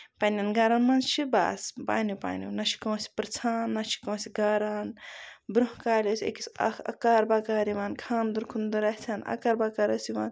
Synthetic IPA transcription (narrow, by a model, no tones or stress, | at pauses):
pɐnʲɐnɡaːɾanmɐnt͡ʃʰiba̰ːspa̰ːnupa̰ːnʲṵnɐʃʰi̥koːsi̥pɾt͡sʰaːnːɐt͡ʃʰi̥kõːsiɡaːɾaːnbɾuɦkaːlʲɐsʲḛkisɐ̰ɐ̰kaːɾbaːkaːɾiʋaːnkʰaːnd̪uɾkʰund̪ɐɾɐt͡sʰaːnɐ̰kaɾbaːkaːɾɐsiʋa̰ːn